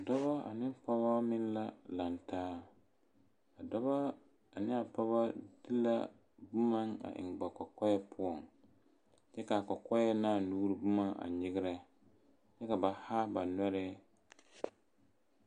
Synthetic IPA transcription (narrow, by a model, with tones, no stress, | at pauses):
a˨dɔ˦βa˦a̰˨nɪ˦pa˦ba˦mɪ˦nla˦la˨ntaː˦ | a˨dɔ˦βa˦ | a˨nɪ˦a˨pa˦βa˦di˦la̰˦ | bʊ˦ma˦ŋa̰˨ʔɪ̰˨ŋ˨ɡ͡ba˨kɔ˨kɔ˦jɛ˦pʰʊ˦ɔ˨ŋ | t͡ʃɛ˦ka˨kɔ˨kɔ˦jɛ˦naː˦˨nuː˦ɾɪ˦bʊ˦ma˦ʔa̰˨ɲɪ˦ɡɪ˦ɾɛ˦ | t͡ʃɛ˦ka˨ba˨ha˦ba˨nɔ˦ɾɪ˦